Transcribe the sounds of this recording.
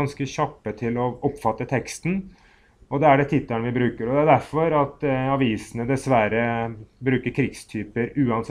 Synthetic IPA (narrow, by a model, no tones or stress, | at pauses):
ɑnskəɕɑpːət̪ʰɪlɔɔpːfɑt̪ːət̪ʰɛkst̪n | ɔd̪ɛæɖɛt̪ʰɪt̪ːəɳəʋɪbɾʉːkəɾɔd̪ɛæd̪æɾfɔɾɑt̪ɑʋiːsənəd̪ɛsʋæɾəbɾʉːkəɾkʰɾɪɡst̪ʰyːpəɾʉːɑns